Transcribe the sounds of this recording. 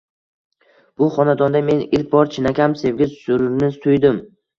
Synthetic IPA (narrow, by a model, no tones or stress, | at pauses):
b̥ʊχɒnad̪ɒnd̪ame̞nɪlk̚ʲbɒɾt͡ʃʰɪnakʲamse̞vɡʲɪzsʊɾnɪzst̪ʰʊjd̪ɪm